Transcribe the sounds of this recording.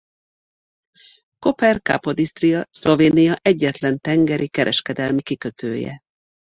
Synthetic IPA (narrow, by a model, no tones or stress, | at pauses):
ko̞pɛrka̰po̞d̪ist̪rijɒslo̞veːnijɒʔɛɟːɛt̪lɛnt̪ɛŋɡɛɾʔikɛɾʔɛʃkɛd̪ɛlmikikøt̪ʰø̰ːjɛ̰